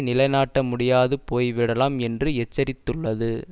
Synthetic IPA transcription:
nɪlɐɪnaːʈːɐmʊɽɪjaːðɯpoːjʋɪɽɐlaːmɛndrɯɛt͡ʃːɐɾɪt̪ːɯɭːɐðɯ

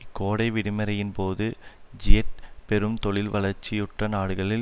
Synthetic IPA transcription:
ɪkːoːɽɐɪʋɪɽɪmɐɾɐjɪnpoːðɯd͡ʒɪjɐʈ̚pɛɾɯmt̪ɔɭɪlʋɐlɐɾt͡ʃːɪjʊʈrɐnaːɽɯɣɐɭɪl

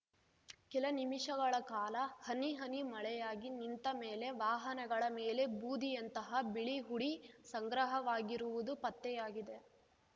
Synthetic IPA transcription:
kɛlɐnimiʂɐɡɐɭɐkaːlɐhɐniɦɐnimɐɭɛjaːɡinint̪ɐmeːle̞ʋaːɦɐnɐɡɐɭɐmeːle̞buːd̪ʱijɐnt̪ɐɦɐbiɭiɦuɽisɐŋɡɾɐɦɐʋaːɡiɾuʋud̪upɐt̪ːɛjaːɡid̪e

